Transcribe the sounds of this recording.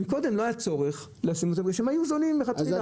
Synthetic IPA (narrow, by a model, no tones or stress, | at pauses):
miko̞d̪e̞mlo̞ajat͡so̞ʁeχ | leasimot̪emɡeʃemajuzonimːeχat